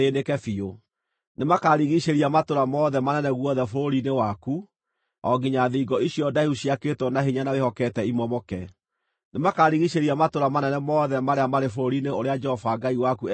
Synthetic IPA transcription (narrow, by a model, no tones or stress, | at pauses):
enekɛfio | nemakaɾiɣiʃeɾiamatoɾamɔðɛmanɛnɛɣwɔðɛfoɾoɾinewaku | ɔ̰ɡiɲaðiːɡɔiɕjɔdaiuɕiaketwɔnaɦiɲanawehɔkɛtɛimɔmɔkɛ | nemakaɾiɣiʃeɾiamatoɾamanɛnɛmɔðɛmaɾeamaɾefoɾoɾineoɾead͡ʒɛhɔfaɡaiwaku